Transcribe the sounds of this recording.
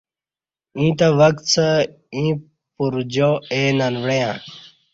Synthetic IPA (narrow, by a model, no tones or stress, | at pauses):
ĩːt̪ɐʋɐk̚t̪t͡sɐ | ĩː | puɾd͡ʑoeːnanʋɽejãː